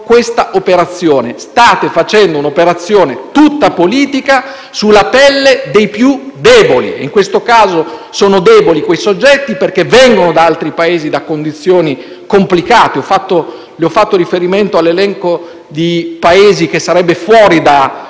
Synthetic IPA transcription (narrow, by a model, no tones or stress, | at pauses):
kwest̪aʔopeɾat̪sːjoːnest̪aːt̪efat͡ʃɛnd̪ounopeɾat̪sːjoːnet̪ut̪ːapoliːt̪ika | sulːapɛlːed̪ejpjud̪ɛːbolḭḛiŋkwest̪okaːzosoːnod̪ɛːbolikwejsod͡ʒːɛt̪ːiperk̟evːɛŋɡonod̪aalt̪ɾipaeːzid̪akːond̪it̪sːjoːni | komplikaːt̪eɔfːat̪ːo | liɔfːat̪ːoɾifeɾiment̪oalːelɛŋko | d̪ipaeːzikesːaɾɛbːefwɔːɾid̪a